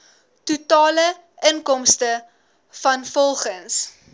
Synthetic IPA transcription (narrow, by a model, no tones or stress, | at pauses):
tutɑːlə | ʔəŋkɔmstə | fɐnfɔlˠχəns